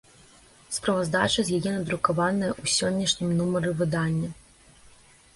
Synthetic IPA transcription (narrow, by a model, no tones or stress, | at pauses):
spɾɐvazd̪a̰t͡ʂɐzʲjajɛnɐd̪ɾukavanɐjɐʔusʲɔnʲːɐʂnʲimnumɐɾɨvɨd̪anʲːɐ